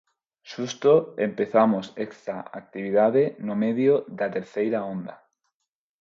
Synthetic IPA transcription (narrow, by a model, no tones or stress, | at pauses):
ʃust̪oempeθamosekst̪aa̰k̚t̪iβ̞iðaðenomeðjoðat̪eɾθejɾaond̪a